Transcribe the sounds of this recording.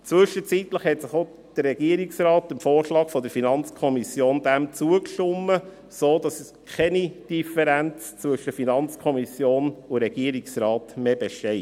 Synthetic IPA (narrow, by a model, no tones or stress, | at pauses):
t͡sʋɵʃət͡sit̪ləχhɛtsɪχo | d̥ərːɛɡiəɾiksrɑːt̪əmfoːɾʃlɑːkfɔd̪əɾfinɑnt͡skʰɔmisjoːnd̥æmt͡suəkʃʊmːə | soːd̥ɑs | kʰɛnid̥ifɛɾænt͡st͡sʋɵʃəfinɑnt͡skʰɔmisjoːnʊɾɛɡiəɾiksrɑːtmeb̥eʃtɛɪ